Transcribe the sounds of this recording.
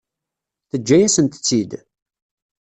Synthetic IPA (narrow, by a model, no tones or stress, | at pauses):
θəd͡ʒːæjæsənt̪ə̥t͡sːid̪